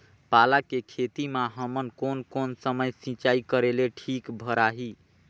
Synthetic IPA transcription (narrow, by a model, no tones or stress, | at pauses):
palakekʰet̪imaɦəmənkonkonsəməjsĩt͡ʃaikəɾeleʈʰikbʱəɾaɦi